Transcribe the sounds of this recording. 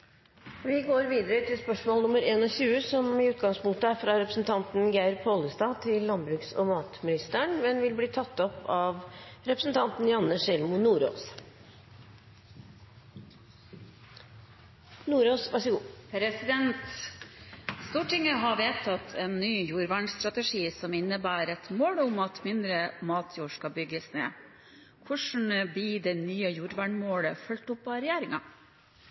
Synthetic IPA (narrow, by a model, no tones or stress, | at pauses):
ʋɪɡoːɾʋiːd̪əɾət̪ʰɪlspœʂmoːlnʊməɾeːnɔːɕʉːəsɔmɪʉːt̪ɡɑŋspʊŋt̪əæɾfɾɑɾɛpɾə̥sn̩t̪ʰɑnt̪n̩ɡæɪɾpʰhɔːləst̪ɑːt̪ʰɪlːɑnbɾʉːksɔ̰mɑːt̪mɪnɪst̪əɳmɛnʋɪlbliːt̪ʰɑt̪ːɔpʰːɑːʋɾɛpɾəsn̩t̪ʰɑnt̪n̩jɑnːəʂɛlmʊnuːɾo̰ːs | nuːɾoːsʋæsəɡuːpʰɾɛsɪd̪ɛnt̪ | st̪uːʈɪŋəɦɑʋeːt̪ʰɑt̪ʰeːnːyːjuːɾʋæːɳst̪ɾɑt̪əʂiːsɔmɪnːəbæːɾɛt̪moːɽʊmɑt̪mɪnd̪ɾəmɑːt̪ʰjuːʂkɑbʏɡəsnḛː | kʰʊʂn̩biːd̪enyːəjuːɾʋæːɳmoːɽəfœlt̪ʊpɑɾɛjæːɾɪŋɑ